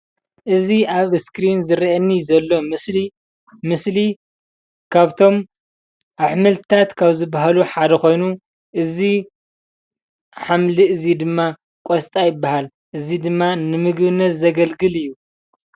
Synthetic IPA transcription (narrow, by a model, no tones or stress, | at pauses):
ʔɨziaβskɾinzɨɾiʔɐnːizɐlːo̞mɨsli | mɨsli | kʰaβt̪ʰo̞m | ʔaħmɨlt̪ʰɨt̪ʰat̪kʰaβzɨbaɦaluħad̪ɐxo̞jnu | ʔɨzi | ħamliʔɨzid̪ɨmːa | kʼost̪ʼajɪbːahal | ʔɨzid̪ɨmːanɨmɨɡbɨnːɐt̪zɐɡɐlɡɨlɨjːu